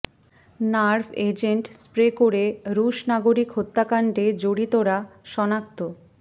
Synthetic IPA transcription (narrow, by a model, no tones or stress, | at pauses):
naɾbed͡ʑeɳʈspɾekoɾeɾuʃnaɡoɾikɦot̪ːakaɳɖed͡ʑoɽit̪oɾaʃɔnakt̪o